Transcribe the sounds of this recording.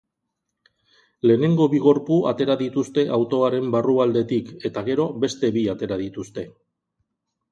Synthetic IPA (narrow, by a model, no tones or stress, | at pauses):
le̞ːne̞ŋɡo̞βiɣo̞ɾpuat̪e̞ɾaðit̪ust̪e̞ʔawt̪o̞aɾe̞mbaruald̪e̞t̪ike̞t̪aɣe̞ɾo̞βe̞st̪e̞βiat̪e̞ɾað̞it̪ust̪e̞